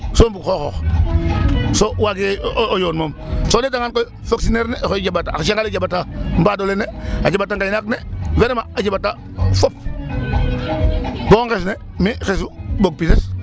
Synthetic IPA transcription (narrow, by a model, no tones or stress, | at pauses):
sombukxoxox | sowaɡojoːnmomsonetaŋanko | faksineɾnexoiɟabataʃaŋɡaliɟabatambadoleneaɟabatːaŋɡajnakneveɾemaaɟabata | fop̚ | boŋkesne | mixes̬uboɡ̚pises